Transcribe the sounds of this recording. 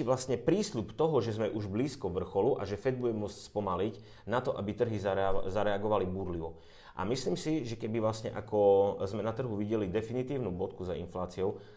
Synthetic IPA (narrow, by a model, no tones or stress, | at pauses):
iʋlast̪ɲɛpɾiːslupt̪ɔɦɔʒɛzmɛʔuʒbliːskɔʋr̩xɔluʔa̰ʒɛfɛd̪̚buɟɛmʊɔt͡scspɔmalic | nat̪ɔʔa̰bit̪r̩ɦizazaɾɛaɡɔʋalibuːɾliʋɔ | ʔa̰misliːmsiʒɛkɛbiʋlast̪ɲɛ̰ʔakɔzmɛnat̪r̩ɦuʋiɟɛlid̪ɛfinit̪iːʊnuːbɔt̪kuzaḭnflaːt͡siɔʊ